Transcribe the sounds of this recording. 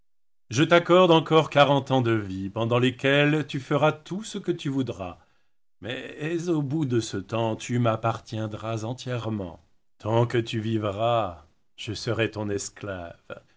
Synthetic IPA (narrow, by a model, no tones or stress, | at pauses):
ʒət̪akɔʁd̪ɑ̃kɔʁkaʁɑ̃t̪ɑ̃d̪əvipɑ̃d̪ɑ̃lekʲɛlt̪yfəʁat̪usəkət̪yvud̪ʁa | mɛɛzobud̪əsət̪ɑ̃t̪ymapaʁt̪jɛ̃d̪ʁazɑ̃t̪jɛʁmɑ̰̃ | t̪ʰɑ̃kət̪yvivʁa | ʒ̥əsəʁɛt̪ɔ̃nɛskla̰v